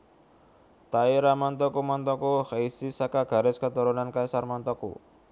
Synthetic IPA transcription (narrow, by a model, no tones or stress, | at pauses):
t̪aiɾamant̪ɔkumant̪ɔkuhaisisakaɡ̥a̤ɾɪskət̪uɾunankajsarmant̪ɔkṵ